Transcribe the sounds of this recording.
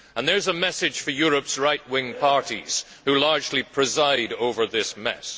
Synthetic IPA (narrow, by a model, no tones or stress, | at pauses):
ə̃nðə˞zəmɛsɨd̥ʒ̥fə˞jɔɹəpsɹaɪtʔ̚wɪ̃ŋpʰɑɹɾḭz̥ | hʉlˠɑɹd͡ʒlipʰɹ̥ɨzaɪɾoʊvə˞ðɪsmɛ̰s